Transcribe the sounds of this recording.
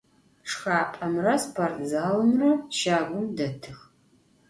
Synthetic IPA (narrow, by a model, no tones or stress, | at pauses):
ʂxaːpʼɐmrɐspʰortʰʼzaːlɨmrɐʃaːɡʷʊmdɐtʰɨx